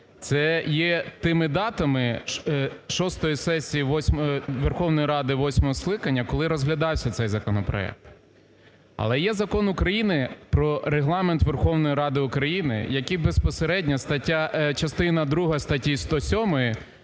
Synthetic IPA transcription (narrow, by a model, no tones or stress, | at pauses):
t̪sɛjɛt̪ɪmɪd̪ɑt̪ɐmɪ | ʃɔst̪ɔjisɛsʲijiʋɔsʲmʋerxɔwnɔjiɾɑd̪ɪʋɔsʲmɔɦɔsklˠɪkɐnʲːɐkɔlˠɪɾɔzɦlʲɐd̪ɑwsʲɐt̪sɛjzɐkɔnɔpɾɔ̰ɛ̰k̚t̪ | ɐ̰lˠɛjɛzɐkɔnʊkɾɐjinɪpɾɔɾeɦlˠɑment̪ʋerxɔwnɔjiɾɑd̪ɪʊkɾɐjinɪ̰jɐkʲibespɔseɾɛdʲnʲɐst̪ɐtʲːat͡ʃɐst̪ɪnɐd̪ɾuɦɐst̪ɐtʲist̪ɔsʲɔmɔjɪ